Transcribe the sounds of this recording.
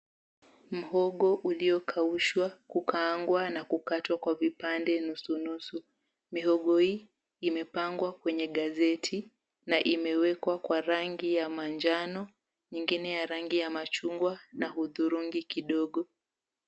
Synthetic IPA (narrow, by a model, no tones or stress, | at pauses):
m̩ɦɔɠɔʔuliɔkʰauʃwakukʰaŋɡwanakukatwakwavipandɛnusunusu | miɦɔɠɔhiː | imɛpaŋɡwakwɛɲɛɠazɛtʰi | naʔimɛwɛkwakwaɾaŋɡijamaɲd͡ʒanɔ | ɲiŋɡinɛjaɾaŋɡijamat͡ʃuŋɡwanahuðuɾuŋɡikiɗɔɠɔ